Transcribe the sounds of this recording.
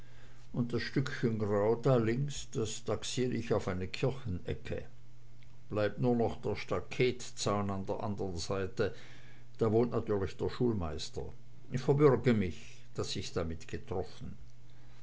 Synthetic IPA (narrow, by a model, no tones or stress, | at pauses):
ʔʊnt̚d̥asʃtʏkçənɡʁaʊdaːlɪŋsd̥asd̥aksiːʁəɪçaʊfaɪnəkʰɪɐçn̩ɛ̰kʰə̰ | b̥laɪp̚tnuːɐnɔχd̥eːɐʃtakʰɛːtt͡saʊnandeːɐʔa̰ndəʁənzaɪtə | d̥aːvoːntnatʰyːɐlɪçd̥eːɐʃuːlmaɪstɐ̰ | ɪçfɛɐbʏʁɡəmɪç | d̥asɪçd̥amɪtɡ̥ətʁ̥ɔfn̩